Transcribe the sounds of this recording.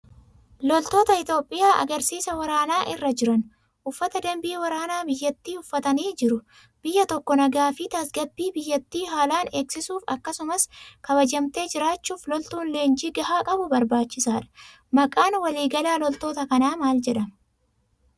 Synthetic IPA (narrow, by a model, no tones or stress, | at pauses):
lɔlt̪o̞ːt̪ɐɪt̪o̞ːpʼːɪjaːʔɐ̰ɡɐɾsiːsɐwɐɾaːnaːʔɪrːɐd͡ʒɪɾɐn | ʔʊfːɐt̪ɐd̪ɐmbiːwɐɾaːnaːbɪjːɐt̪ːiːʊfːɐt̪ɐniːd͡ʒɪɾʊ | b̥ɪjːɐt̪ɔkːɔnɐɡaːfɪt̪ɐsɡɐbːiːbɪjːɐt̪ːiːɦaːlaːne̞ːksɪsuːfɐkːɐsʊmɐskɐbɐd͡ʒɐmt̪e̞ːd͡ʒɪɾaːt͡ʃːuːflɔlt̪uːnle̞ːnd͡ʒiːɡɐhaːkʼɐbʊbɐɾbaːt͡ʃːɪsaːᶑɐ̥ | mɐkʼaːnwɐliːɡɐlaːlɔlt̪o̞ːt̪ɐkɐnaːmaːld͡ʒɛᶑɐmɐ